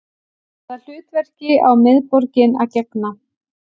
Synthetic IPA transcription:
ɛt̪al̥ʏːt̪vɛr̥cɪawmɪðpɔɾcɪnacɛkna

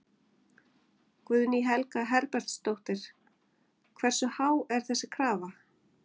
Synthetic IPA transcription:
kvʏðniɦɛlkaɦɛɾpɛɾ̥t̪st̪owht̪ɪɾ̥ | kʰvɛr̥sʏhawɛɾ̥θɛsːɪkʰɾaːva

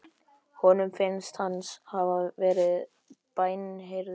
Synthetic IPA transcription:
hɔnʏmfɪnst̪hanshavavɛːɾɪð | paːjnɦejɾð

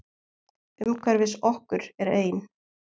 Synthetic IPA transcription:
ʏmkʰvaɾvɪsɔhkʏɾ̥ɛɾeːjn

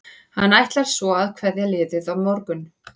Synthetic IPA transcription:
hanːajht̪laɾ̥svɔaðkʰv̥ɛðjɛlɪːðɪðavmɔɾkʏn

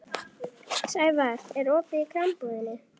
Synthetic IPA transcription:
sajvaɾ̥ɛɾɔːpɪikʰɾampuðɪnɪ

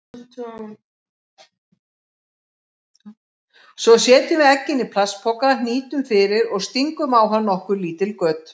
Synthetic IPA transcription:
sɔsjɛːt̪ɪmɪðɛcːɪnːipʰlaspʰɔkaðniːt̪ʏmfɪːɾɪɾɔɣst̪iŋkʏmawɦanːɔhkʏɾliːt̪ɪlkœːt̪

